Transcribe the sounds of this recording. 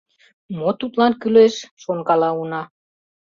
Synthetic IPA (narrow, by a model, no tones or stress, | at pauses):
mot̪ut̪lɑnkyleʃʃonkɑlɑunɑ